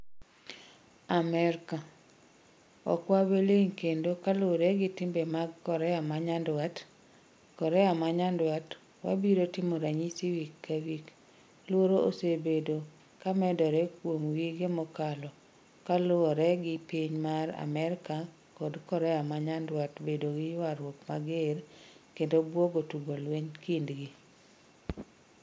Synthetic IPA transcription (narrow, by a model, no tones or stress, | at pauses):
amɛɾka | ɔ̰kwabeleŋkendokalɔɾɛɡɪtɪmbemaɡkɔɾɛamaɲandwat | kɔɾɛamaɲandwat | wa̰biɾotɪmoɾaɲisiwikːawik | lwoɾoosebedo | kamɛdɔɾɛkwomwiɡemɔkalɔ | kalʊɔɾɛɡɪpiɲmaɾa̰mɛɾka | kodkɔɾɛamaɲandwatbedoɡɪjwaɾwokmaɡerkendobwoɡotuɡolweɲkindɡi